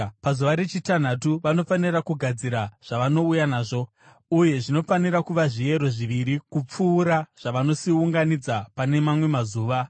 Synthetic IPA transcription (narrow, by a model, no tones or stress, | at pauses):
pazuʋaɾe̞t͡ʃitan̤atuʋano̞fanirakuɡʱad͡ziɾaʐ̥aʋano̞ujanaːʐo̞ | uje̞ʐino̞faniɾakuʋaʐie̞ɾo̞ʐiʋiɾikup͡fuːɾaʐ̥aʋano̞siuŋɡanid͡zapane̞mamwe̞mazuːʋa